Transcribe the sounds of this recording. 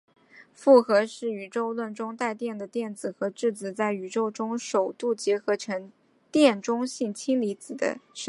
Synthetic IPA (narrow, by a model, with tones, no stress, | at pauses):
fu˥˩xɤ˧˥ʂɻ̩˥˩y˨˩ʈ͡ʂo˥˧ʊlwə˥˩nʈ͡ʂʊ˥ŋt̪a˥˧ɪt̪jɛ˥˩nd̪ə˩t̪jɛ˥˩nd͡zɹ̩˨˩xɤ˧˥ʈ͡ʂɻ̩˥˩t͡sɹ̩˨˩t͡sa˥˩ɪy˨˩ʈ͡ʂo˥ʊʈ͡ʂʊ˥ŋʂo˨˩ʊt̪u˥˩t͡ɕjɛ˧˥xɤ˧˥ʈ͡ʂʰɤ˧˥ŋ | t̪jɛ˥˩nʈ͡ʂʊ˥ŋɕi˥˩nt͡ɕʰi˥ŋli˧˥t͡sɹ̩˨˩d̪ə̰˦ʂ